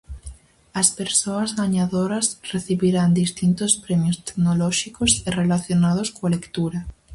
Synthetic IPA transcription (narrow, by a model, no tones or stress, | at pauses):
ɐspeɾsoɐzðaɲaðoɾɐsreθiβiɾand̪ist̪int̪ospɾɛmjost̪e̥knolɔʃikoserelaθjonað̞oskoalekt̪uɾɐ